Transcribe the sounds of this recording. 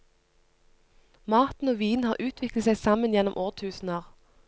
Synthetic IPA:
mɑʁt̪n̩oːʋiːnhɑːʁʔʉːt̪ʰʋɪkl̩əsæɪsɑmənjɛnɔmʔoːʁt̪ʰʉːsn̩əʁ

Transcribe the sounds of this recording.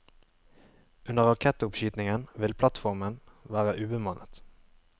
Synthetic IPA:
ʉnəʁɑkʰɛt̪əʊpʃyːt̪nɪŋənʋɪlpʰlɑt̪fɔʁmənʋæːʁəʔʉːbəmɑnʔət̪

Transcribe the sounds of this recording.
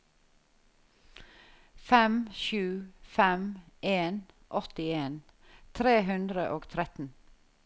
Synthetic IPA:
fɛmʃʉːfɛmeːn | ʔɔt̪ɪeːn | t̪ʰɾeːɦʉnd̪ɾəʔoːɡt̪ʰɾɛt̪n̩

